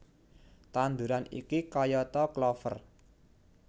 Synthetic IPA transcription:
t̪and̪uɾanḭkikɔjɔt̪ɔklɔfə̰r

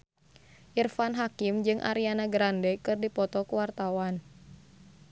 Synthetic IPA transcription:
ʔirfanɦakimd͡ʒɨŋʔa̰ɾianaɡɾandɛkɨrdipɔt̪ɔkuwart̪awan

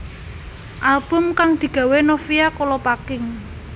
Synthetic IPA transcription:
ʔalb̥ʊ̤mkaŋd̪̥i̤ɡ̥a̤wenofijakolɔpakɪŋ

